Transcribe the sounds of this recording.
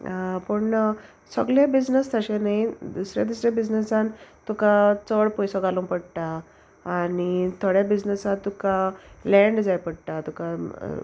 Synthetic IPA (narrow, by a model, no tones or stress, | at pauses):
pəɳ | səɡlebid͡znəst̪ʰəɕenaid̪usɾja̰d̪usɾjabid͡znəsant̪ukat͡səɽpɔjsɔɡaluŋpəɽʈ̪aː | nit̪ʰoɽjabid͡znəsãt̪ːukalɛ̃ɳɖd͡zajpəɽʈ̪at̪uka̰